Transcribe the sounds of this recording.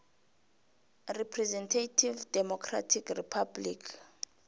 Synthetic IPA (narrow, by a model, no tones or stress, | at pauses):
ripʰrɛzɛntʰatʰivdɛmɔkʰra̰tʰikripʰablikʰ